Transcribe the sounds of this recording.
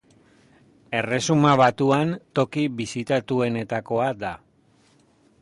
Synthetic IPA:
e̞re̞sumaβat̪uant̪o̞kiβisit̪at̪ue̞ne̞t̪ako̞ad̪a

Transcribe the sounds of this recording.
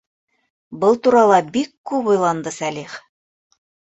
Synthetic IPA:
bɤlˠt̪uɾɑlˠɑbikːʉpujlˠɑnd̪ɤsæliχ

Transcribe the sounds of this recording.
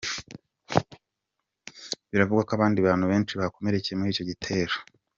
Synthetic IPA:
βiɾavuɡwakaβaːndiβaːnhuβe̞ːnt͡ʃiβako̞meɾecijemuɾiːco̞ɟitʰe̞ːɾḁ

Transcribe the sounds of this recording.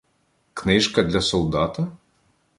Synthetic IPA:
knɪʃkɐd̪ʲlʲɐsɔlˠd̪ɑt̪ɐ

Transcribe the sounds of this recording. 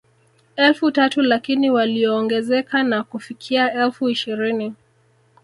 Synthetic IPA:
ɛlfutatulakiniwaliɔːŋɡɛzɛkanakufikʰiaɛlfuiʃiɾini

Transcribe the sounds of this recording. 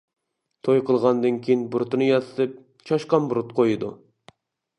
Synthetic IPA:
t̪ʰojqʰəlˠʁɑnd̪ɨnkʲʰejinbuɾt̪ɨnɨjɑt̪ʰɨ̥t̪ʰɨp̚ | t͡ʃʰɑʃqɑnbuɾut̪qʰojɨd̪ṵ

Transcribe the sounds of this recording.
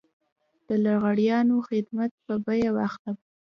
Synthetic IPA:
d̪̥əlaɾɣaɽjɑnoxɪd̪mat̪̚pəbajawaxt̪ab

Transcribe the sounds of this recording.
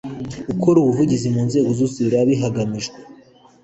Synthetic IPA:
ukʰoɾuːβuvuɟizimuːnze̞ːɡozusiβiɾaβiɦaɡamiʒɡwe

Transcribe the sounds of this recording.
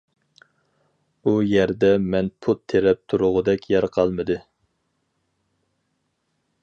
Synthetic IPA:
ujɛɾd̪ɛmɛnpʰut̪ʰːeɾɛp̚t̪ʰuɾʊʁʊd̪ɛkʲʰjɛɾqʰɑlˠmɨd̪ɨ

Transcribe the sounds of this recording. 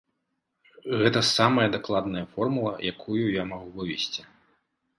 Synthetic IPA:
ɣɛt̪ɐsamɐjɐd̪aklˠad̪nɐjɐfɔrmulˠɐ̰jʔakʰujujamaɣuvɨvʲɛsʲt͡sʲi̥

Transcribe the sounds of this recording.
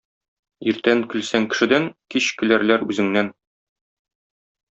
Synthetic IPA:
iɾt̪æŋkɘ̆lsæŋkɘ̆ʃɘ̆d̪æŋkiɕkɘ̆læɾlæɾʉzɘ̆ŋnæn

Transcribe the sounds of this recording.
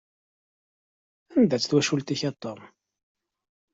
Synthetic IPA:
ænd̪æt͡sːθwæʃult̪içɑt̪ˤːom

